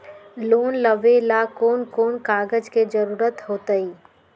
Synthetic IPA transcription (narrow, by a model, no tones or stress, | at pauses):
loːnləʋelakoːnkoːnkaːɡəd͡ʒked͡ʒɐɾuːɾət̪ɦoːt̪əiː